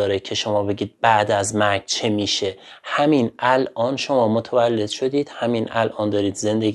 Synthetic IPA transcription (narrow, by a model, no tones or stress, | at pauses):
ɒːɾecʰe̞ʃo̞mɒːbe̞ɟiːd̪̥̚bæʔd̪æzmæɾɡt͡ʃʰemiːʃe̞ | hæmiːnʔælʔɒːnʃo̞mɒːmot̪ʰævælːe̞d̪̥ʃo̞d̪iːd̪̥hæmiːnʔælʔɒːnd̪ɒːɾiːd̪ze̞nd̪eɡ